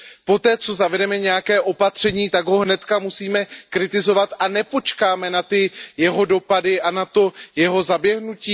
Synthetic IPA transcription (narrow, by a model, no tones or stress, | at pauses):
po̞t̪ɛːt͡so̞zavɛdɛmɛɲɛjakɛːʔo̞pat̪r̝̥ɛɲiːt̪aɡɦo̞ɦnɛt̪kamusiːmɛkɾɪt̪ɪzo̞vat̪anɛpo̞t͡ʃkaːmɛnat̪ɪjɛɦo̞do̞padɪʔanat̪o̞jɛɦo̞zabjɛɦnuciː